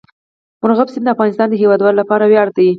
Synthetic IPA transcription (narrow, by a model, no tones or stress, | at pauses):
mʊnɣabsind̪əafɣɑnɪst̪ɑnd̪əɦewɑd̪wɑlolapɑɾawjɑɽt̪aji